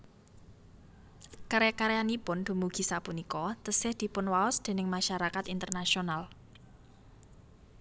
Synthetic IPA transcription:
kaɾakaɾeanipʊnd̪̥ṳmuɡ̥i̤sapunikɔt̪əsɪhd̪̥i̤pʊnwaɔsd̪̥e̤nɪŋmaʃaɾakat̪int̪ərnasional

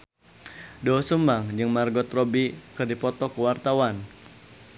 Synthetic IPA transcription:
dɔsəmbaŋd͡ʒɨŋmarɡɔt̪rɔbikɨrdipɔt̪ɔkuwart̪awan

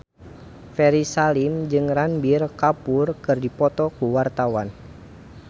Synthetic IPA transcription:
fɛɾisalimd͡ʒɨŋranbirkapurkɨrdipɔt̪ɔkuwart̪awan

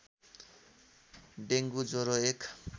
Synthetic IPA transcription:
ɖeŋɡud͡zoɾoekʰ

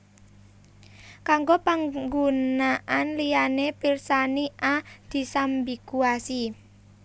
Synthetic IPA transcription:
kaŋɡopaŋɡunaʔanlijanepirsaniʔad̪̥i̤sambikuasi

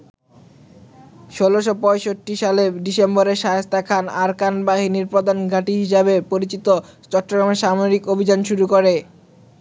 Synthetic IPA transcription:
ʃoloʃopɔjʃoʈːiʃaleɖisembɔɾeʃaɦest̪ʰakʰanaɾkanbaɦiniɾpɾɔd̪anɡʱaʈiɦiʃabepoɾit͡ɕit̪ot͡ɕɔʈːoɡɾameʃamoɾikobʱid͡ʑanʃuɾukoɾe

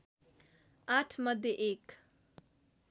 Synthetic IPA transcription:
aʈʰmʌd̪ʱjeʔek

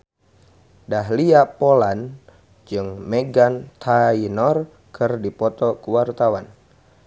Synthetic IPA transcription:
daɦliapolan | d͡ʒɨŋmeɡant̪ʰainɔr | kʰɨrdipɔt̪ɔkuwart̪awan

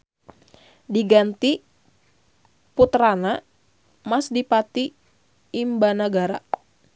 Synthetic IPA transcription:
diɡant̪i | put̪ɾana | masdipat̪iː | mbanaɡaɾa̰

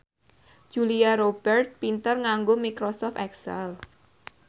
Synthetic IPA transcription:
d͡ʒ̥uliaɾob̥ɛrt̪̚pint̪ərŋaŋɡomikɾosɔft̪ɛksɛ̰l

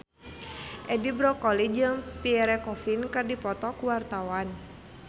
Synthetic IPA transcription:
ʔɛdibɾɔkɔlid͡ʒɨŋpiɛɾɛkɔfinkɨrdipɔt̪ɔkuwart̪awan

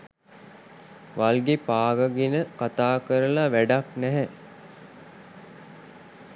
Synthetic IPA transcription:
ʋalɡepaːɡəɡenəkat̪aːkəɾəlaʋæɖaknæɦɛ

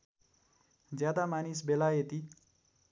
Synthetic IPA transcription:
d͡zjad̪amanis̬belajet̪i

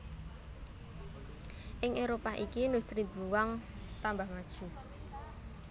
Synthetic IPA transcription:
ʔɪŋʔeɾopaʔikinust̪ɾibuwaŋ | t̪ambahŋad̥ʒ̥u

